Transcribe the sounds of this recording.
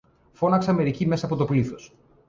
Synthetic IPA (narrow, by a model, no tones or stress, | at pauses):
fo̞nɐkseɐme̞ɾicime̞sɐːpo̞t̪o̞pliθo̞s